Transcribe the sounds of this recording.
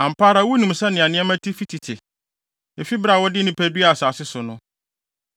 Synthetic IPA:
ã˨m̩˨pʰaː˦ɾa˨˦wu˦nũ˨m˨sa˦nɪ̃˨ã˨nɪ̃˦ɛ˦mæ̃˦tʰi˦fi˦tʰi˨tʰɪ˨ | e˨fi˦bɾa˦˨wɔ˦dɪ˦nɪ̃˦pʰæ˦dɥa˦˨saː˨sɪ˦sʊ˨nʊ̃˦

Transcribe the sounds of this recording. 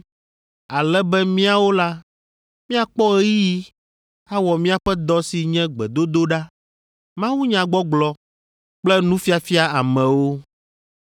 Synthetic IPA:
a˨lɛ˦bɛ˦mĩ˦a˨wo˦la˦ | mĩ˦a˨k͡pɔ˦e˦ji˦ | a˦wɔ˨mĩ˦a˨ɸɛ˦d̪ɔ˦si˨ɲɛ̃˦ɡ͡bɛ̰˨d̪o˦d̪o˦ɖa˦ | mã˦wu˦ɲã˨ɡ͡bɔ˦ɡ͡blɔ˦ | k͡plɛ˦nũ˦fi˦a˨fi˦a˦a˨mɛ̃˨wo˦

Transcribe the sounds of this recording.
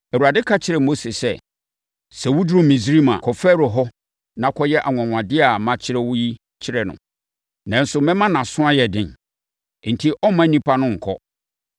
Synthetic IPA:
ɛ˨wu˨ɾa˨dɪ˦kʰa˦t͡ɕʰɪ˨˦ɾɛ˨mo˦se˨sɛ˨ | sɛ˨wʊ˦dʊ˦ɾʊ̃˦mĩ˨sɾi˦mã̰˨kʰɔ˨fɛː˦ɾʊ˨ɦɔ˦ | nã˨kʰɔ˦jɛ˦ʔa˨ŋʷ˨ã˨ŋʷ˨ã˨dɪ˦a˨mã˦t͡ɕʰɪ˦ɾɛ˦wʊ˦ji˦ | t͡ɕʰɪ˦ɾɛ˨nʊ̰̃˨ | nã˨n̩˦sʊ˨mɛ̃˦mã˦nã˨sʊ̃˦a˦jɛ˨dɪ̃˨n˨˦ | n̩˨tʰi˦ʔɔ˦mã˦nĩ˦pʰa˦nʊ̃˦ŋ̩˨kʰɔ̰˦

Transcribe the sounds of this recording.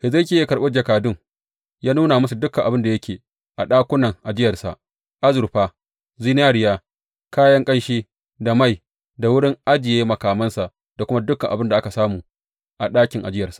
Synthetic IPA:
ʔɪ˨zɐ˦kʲeː˦˨jkɐ˨ɓe˦d͡ʒɐ˨kaː˨dʊ˦ŋ | jaː˦nuː˦na˨ma˦su˨dʊ˦kːɐ˨ʔa˨bɪ˦nda˨jɐ˦kʲeː˨ | ʔa˨ɗaː˦kʷʊ˦nɐ˨ŋʔa˨d͡ʒɪ˦jɐ˨rsa̰˨ʔ | ʔa˦zʊ˨ɾɸaː˦ | zi˦n˦aː˦ɽɪ˦jaː˦ | kaː˦jɐ˦ŋkʼɐ˦nʃiː˦ | da˨ma˦˨j | da˨wʊ˦ɽɪ˦ŋʔa˦d͡ʒɪ˨jeː˦mɐ˨kaː˨mɐ˦nsa˨ʔ | da˨kʷʊ˦ma˦dʊ˦kːɐ˨ŋʔa˨bɪ˦nda˨ʔa˦ka˨saː˦muː˨ | ʔa˨ɗaː˦kʲɪ˨ŋʔa̰˨d͡ʒɪ˦jɐ˨rsḁ˨ʔ

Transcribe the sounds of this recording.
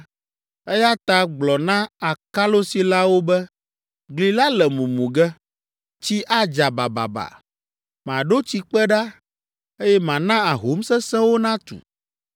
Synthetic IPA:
ɛ˦ja˦t̪a˨ɡ͡blɔ˨nã˦a˨ka˦lo˦si˨la˦wo˦bɛ˦ | ɡli˨la˦lɛ˨mũ˨mũ˨ɡɛ˦ | t͡ɕi˦ʔa˦d͡ʒa˨ba̰˨ba̰˨ba̰˨ | m˨ã˨ɖo˦t͡ɕi˦k͡pɛ˦ɖa˦ | e˦jɛ˦mã˨nã˦a˨ɦo˨˦msɛ˦sɛ̃˦wo˦nã˦t̪ṵ˨

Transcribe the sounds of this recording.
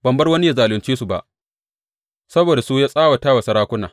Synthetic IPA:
bɐ˨mbɐ˦rwɐ˦ni˦ja˦zaː˨lʊ˨nt͡ʃiː˦su˨ba̰˨ʔ | sɐ˦boː˨da˨su˦jaː˦sʼaː˦wa˨taː˦wɐ˨sɐ˨˦ɾaː˦kʷʊ˦naː˨

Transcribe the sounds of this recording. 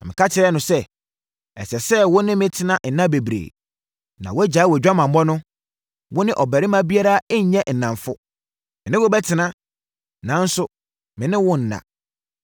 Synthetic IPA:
nã˨mɪ̃˨kʰa˦tʰɪ˨ɾɛ˦nʊ̃˨sɛ˦ | ɛ̰˨sɛ˨sɛ˦wʊ˦nɪ̃˦mɪ̃˦tʰɪ˨nã˦n̩˨nã˦be˨bɾḛ˨ | nã˨wɔ˦æ˦d͡ʑa˨˦wɔ˨d͡ʑᶣa˦mã˨m˦bɔ˦nʊ̃˦ | wʊ̃˦nɪ̃˦ʔɔ˨bæ˨ɾɪ˦mã˦bi˦a˦ɾa˦ɛ˦ɲ̩˨˦ɲɛ̃˦n̩˨nã˨ɱfʊ˦ | mɪ̃˨nɪ̃˦wʊ˦bɛ˦tʰɪ˨nã˦ | nã˨˦n̩˦sʊ˦ | mɪ̃˨nɪ̃˦wʊ̃˦n̩˨nã̰˨

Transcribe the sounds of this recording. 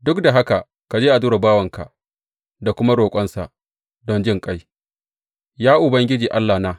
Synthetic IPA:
dʊ˦kda˨ɦa˦ka˨ | ka˨d͡ʒeː˦ʔa˨duː˦ɾa˨baː˦wɐ˨ŋka̰˨ | da˨kʷʊ˦ma˦ɽoː˨kʷʼɔ˦nsa̰˨ʔ | dɔ˦nd͡ʒɪ˦˨ŋkʼa˦j | jaː˦ʔʊ˨bɐ˦ŋɡʲɪ˦d͡ʒiː˨ʔa˦lːa˨naː˦

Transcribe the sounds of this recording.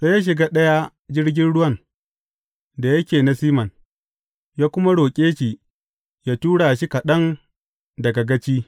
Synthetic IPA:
se˦jaː˦ʃ̬ɪ˨ɡaː˦ɗɐ˦ja˦ | d͡ʒɪ˦rɡʲɪ˦nɽʊ˦wɐ˦˨n | da˨jɐ˦kʲeː˨na˨siː˦mɐ˨n | jaː˦kʷʊ˦ma˦ɽoː˨kʲʼeː˦ʃiː˨ | jaː˦tuː˦ɽaː˨ʃi˦ka˨ɗɐ˦n | dɐ˨ɡɐ˨ɡɐ˦t͡ʃiː˦

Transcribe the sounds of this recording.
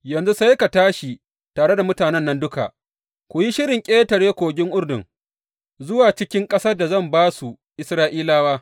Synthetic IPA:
jɐ˨nzu˦sa˦jka˨taː˦ʃi˨ | taː˨ɽe˦da˨mʊ˦taː˨nɛ˦nːɐ˦ndʊ˦ka̰˨ʔ | kʷu˨ji˦ʃɪ˦ɾɪ˨ŋkʲʼeː˦tɐ˨ɽeː˦kʷoː˨ɡʲɪ˦ŋʔʊ˦ɽdʊ̰˨ŋ | zʊ˦waː˨t͡ʃɪ˦kʲɪ˦ŋkʼɐ˦sɐ˦da˨zɐ˦˨mbaː˦su˨ | ʔɪ˦sɾaː˦ʔiː˦laː˦waː˦

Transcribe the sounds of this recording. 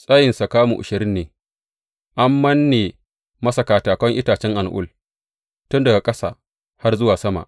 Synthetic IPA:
sʼaː˦jɪ˨nsa˨kaː˦mṵ˨ʔʊ̰˨ʃɪ˨ɾɪ˦nːeː˨ | ʔa˦mːɐ˦nːeː˨ | mɐ˦sɐ˨kaː˨taː˨kɐ˦ŋʔɪ˦taː˨t͡ʃɛ˦ŋʔa˨nʔʊ̰˦˨l | tʊ˦ndɐ˨ɡa˨kʼɐ˦sa̰ː˨ | ha˦rzʊ˦waː˨sɐ˦ma̰˨ʔ

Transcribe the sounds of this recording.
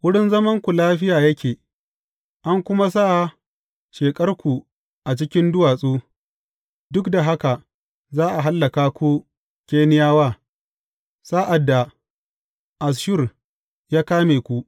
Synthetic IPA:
wʊ˦ɽɪ˦nzɐ˦mɐ˦ŋkʷu˨laː˦ɸɪ˦jaː˨jɐ˦kʲʰeː˨ | ʔa˦ŋkʷʊ˦ma˦s̬a˦ʔ | ʃeː˨kʼɐ˦rkʷu˨ | ʔa˨t͡ʃɪ˦kʲɪ˦ndʊ˦waː˨sʼuː˦ | dʊ˦kda˨ɦa˦ka˨ | zaː˦ʔa˨ɦa˦lːɐ˨kaː˦kʷu˦ | kʲeː˦nɪ˦jaː˦waː˦˨ | saː˦ʔa˨dːa˨ | ʔa˨s̬ʃʊ˦r | jaː˦kaː˦meː˨kʷu˦ʔ

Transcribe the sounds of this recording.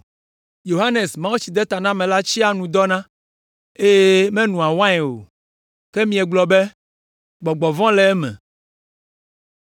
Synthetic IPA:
jo˨ɦa˦ne˨smã˦wu˦t͡ɕi˨d̪ɛ˦t̪a˨nã˦mɛ̃˨la˦t͡ɕi˦a˦nũ˨d̪ɔ˦nã˦ | e˦je˦mɛ̃˦nũ˨a˨wã˦ɛ˨o̰˨ | kɛ˦mĩ˦ɛ˨ɡ͡blɔ˨be˦ | ɡ͡bɔ˨ɡ͡bɔ˨vɔ̃˦lɛ˨ɛ˦mɛ̰̃˨

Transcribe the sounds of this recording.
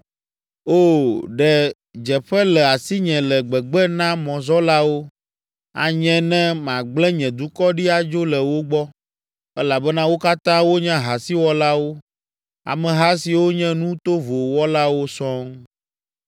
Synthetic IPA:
o˦˨ɖɛ˨ | d͡ʒɛ˨ɸɛ˦lɛ˨a˨si˦ɲɛ̃˨lɛ˨ɡ͡bɛ˨ɡ͡bɛ˦nã˦mɔ̃˨zɔ˦la˦wo˦ | a̰˨ɲɛ̃˦nɛ̃˦mã˨ɡ͡blɛ̃˦ɲɛ̃˨d̪u˦kɔ˦ɖi˦a˨d͡ʒo˦lɛ˨wo˦ɡ͡bɔ˦ | ɛ˦la˨bɛ˦nã˦wo˦ka˦t̪ã˦wo˦ɲã˦ɦa˨si˦wɔ˦la˦wo˦ | a̰˨mɛ̃˨ɦa˦si˨wo˦ɲɛ̃˦nũ˦t̪o˦vo˨wɔ˦la˦wo˦sɔ̃˦ŋ

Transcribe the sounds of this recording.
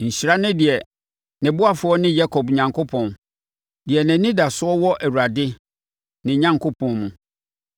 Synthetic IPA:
ɲ̩˨ɕɾa˦nɪ̃˦dɪ˨ɛ˨ | nɪ̃˨bʊ˦a˨fʊ˨˦ɔ˦nɪ̃˦ja˦kʰɔ˨bɲã˨ŋkʰʊ˦pʰɔ̃˨n | dɪ˨ɛ˨nɪ̃˨nĩ˦da˨sʊ˦ɔ˦wɔ˦ʔæ˨wu˨ɾa˨dɪ˦ | nɪ̃˨ɲã˦ŋkʰo˦pʰɔ̃˨nmũ˨

